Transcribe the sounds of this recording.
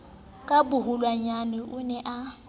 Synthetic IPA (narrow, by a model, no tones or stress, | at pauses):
kʼabʊɦʊlwaɲanɪʔʊnɛʔa